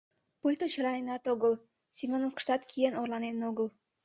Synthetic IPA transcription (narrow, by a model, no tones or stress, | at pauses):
pujt̪ot͡ɕəɾɑnenɑt̪oɣəl | simʲonofkə̥ʃt̪ɑt̪kʰienorlɑnenoɣəl